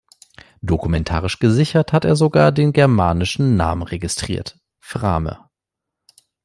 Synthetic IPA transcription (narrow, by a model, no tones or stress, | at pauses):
d̥okumɛntʰa̰ːʁ̞ɪʃɡ̥əzɪçɐthateːɐzoɡaːɐdeːnɡɛɐmaːnɪʃn̩na̰ːmənʁeɡɪstʁ̥ḭːɐt | fʁaːmə̰